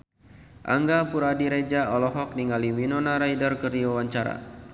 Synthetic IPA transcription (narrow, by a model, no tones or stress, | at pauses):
ʔa̰ŋɡapuɾadiɾed͡ʒaɔlɔɦɔk̚niŋaliwinɔnaɾaidərkərdiwawaɲt͡ʃaɾa̰